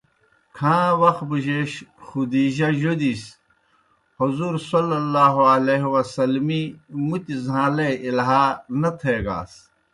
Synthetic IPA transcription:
kʰãːwɐx̚buʑeːɕxud̪iːʑɐjod̪is | huzuːɾsolɐlːaːɦɐleɦwɐsɐlmimut̪izãːleilɦaːnɐt̪ʰeːɡa̰ːs

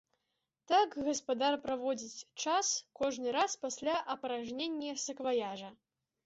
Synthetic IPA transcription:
t̪akɣɐspad̪arpɾavɔd͡zʲit͡sʲt͡ʂaskɔʐnɨɾaspasʲlʲaʔɐpɐɾaʐnʲenʲːɛsɐkvajaʐɐ

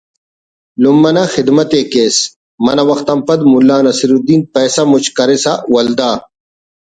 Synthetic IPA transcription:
lumːɐnɐxid̪mɐt̪eːkeːs | mɐnɐwɐxt̪ɐmpɐd̪mulːaːnɐsiɾud̪iːnpeːsɐmut͡ɕkɐɾesawɐld̪aː

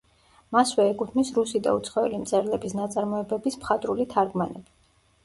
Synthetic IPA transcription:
maswɛːkʼut̪ʰmisɾusid̪a̰ut̪sʰχɔɛlimt̪sʼɛɾlɛbisnat̪sʼaɾmɔɛbɛbismχat̪ʼɾulit̪ʰaɾɡmanɛbi

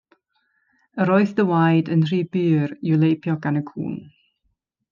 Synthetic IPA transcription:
əɾɔɨθðəwajdənr̥iːbyːrjulˠejpʰjɔɡ̥anəkʰṵːn

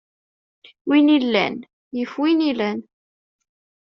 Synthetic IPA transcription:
winilːæ̰n | jəfwinilæn

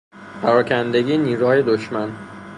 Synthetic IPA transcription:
pæɾɒːcʰænd̪eɟiːniːɾuhɒːjed̪oʃmæn

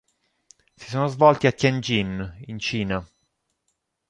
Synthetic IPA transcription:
si̥soːnozvɔlt̪iakjand͡ʒinint͡ʃiːna

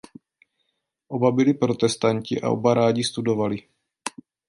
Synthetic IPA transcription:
ʔo̞babɪlɪpɾo̞t̪ɛst̪aɲcɪʔa̰ʔo̞̰baɾaːɟɪst̪udo̞valɪ

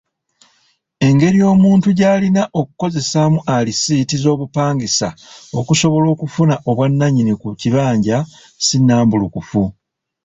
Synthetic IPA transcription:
e̞ŋɡe̞ɾijo̞ːmuːntuɟaːlinaʔo̞ku̥ko̞ze̞samuʔalisiːtizo̞ːβupaːŋɡisa̰o̞kuso̞βo̞lo̞ːkufunaʔo̞βwanːaɲinikuciβaːɲɟa | sinːaːmbulukufu

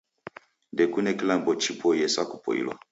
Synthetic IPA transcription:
ndɛkunɛkilambɔt͡ʃipʰɔjɛsakupʰɔ̰ḭlwa̰

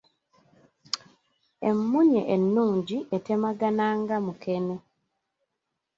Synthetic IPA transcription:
e̞mːuɲḛʔenːuːɲɟiʔete̞maɡanaːŋɡamukene

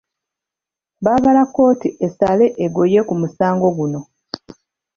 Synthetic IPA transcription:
βaːβalakːo̞ːtiʔesale̞ʔeɡo̞je̞kumusaːŋɡo̞ɡuno̞

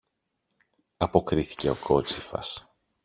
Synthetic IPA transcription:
ɐpo̞kɾiθi̥ce̞o̞kʰo̞t͡sifɐ̰s

